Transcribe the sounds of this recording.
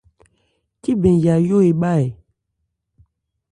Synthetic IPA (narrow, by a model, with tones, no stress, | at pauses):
ki˦bẽ˨ja˨jo˦e˨ɓa˦˨e˨